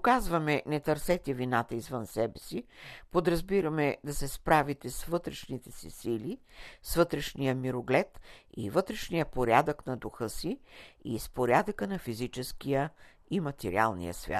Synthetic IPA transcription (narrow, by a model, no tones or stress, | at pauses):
okazvɐmɛnɛt̪ɐɾsɛt̪ɛvinat̪əizvənsɛbɛsipod̪ɾɐzbiɾɐmɛd̪ɐsɛspɾavit̪ɛsvɤt̪ɾɛʃnit̪ɛsḭsilisvɤt̪ɾɛʃnijəmiɾoɡlɛt̪ḭvɤt̪ɾɛʃnijəpoɾʲjad̪əknɐd̪uxɤsiḭspoɾʲad̪əkənɐfizit͡ʃɛskijə | imɐt̪ɛɾḭa̰lˠnḭjə̰svʲja̰t̪